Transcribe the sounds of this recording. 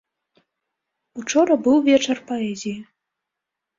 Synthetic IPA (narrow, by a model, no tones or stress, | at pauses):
ut͡ʂɔɾɐbɨwvʲet͡ʃɛrpoɛzʲij